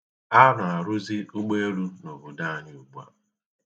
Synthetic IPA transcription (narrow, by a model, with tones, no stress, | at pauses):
a˦nʊ˨a˨ɾʊ˦zi˦ʊ˦ɡ͡be˦e˦ɾu˦no˨bʊ˨da˦˨ɲ˦u˦ɡ͡bu˦a̰˦